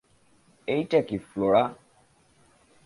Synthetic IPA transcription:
eitɛkifloɾa

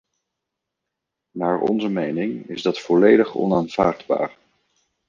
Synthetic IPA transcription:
maːɹɔ̰nzəmejnɪŋɪ̰zdɑtfɔlejdəχɔ̰naːnv̥aːɹdba̰ːɹ

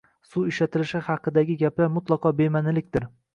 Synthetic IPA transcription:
suɪʃlat̪ʰɪlɪʃɪhɑqʰːɨd̪aɡʲɪɡʲaplaɾmʊt̪lˠɑqɒbemanɪlɪk̚ʲd̪ɪɾ

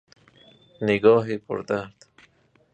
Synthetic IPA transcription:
nɪɡɒːɦipʰʊ̰ɾd̪aɾd̪̥

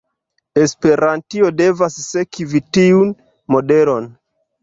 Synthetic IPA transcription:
e̞spe̞ɾantiode̞vasːe̞kivitiun | mo̞de̞lo̞n

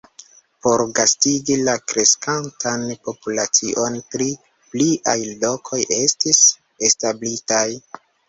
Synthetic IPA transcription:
po̞ɾɡastiɡilakɾe̞skantanpo̞pulat͡siʔo̞npɾi | pliʔajlo̞kʰo̞jʔe̞stis | establitaj

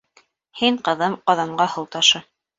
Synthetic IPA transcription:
hiɴqɤ̆ðɤmqɑðɑɴɢɑhɤ̆lˠt̪ɑʃɤ

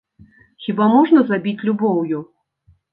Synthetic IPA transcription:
xʲibamɔʐnɐzabʲit͡sʲlʲubɔwju

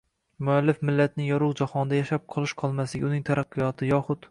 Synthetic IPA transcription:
mʊalːɪfmɪlːat̪nɪjɒɾʊwd͡ʒahɒnd̪ajaʃap̚qʰɒlˠɪʃqʰɒlˠmaslɪɡʲʊnɪŋt̪ʰaɾʔɑqːɨjɒt̪ʰɪjɒχʊt̪

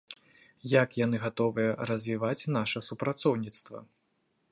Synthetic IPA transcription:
jakjanɨɣat̪ɔvɨjɐɾɐzʲvʲivat͡sʲnaʂɐsupɾat̪sɔwnʲit̪st̪vɐ̰

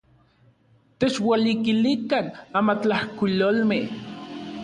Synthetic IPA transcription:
t̪et͡ʃwalikilikanamat͡ɬahkʷilolmeh

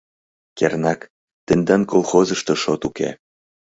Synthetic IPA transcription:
kernɑk | t̪ĕnd̪ɑnkolˠxozəʃt̪oʃot̪ukḛ

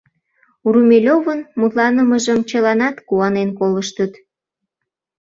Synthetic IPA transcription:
uɾumʲelʲovənmut̪lɑnəməʒəmt͡ɕəlɑnɑt̪kuɑnenkoləʃt̪ət̪

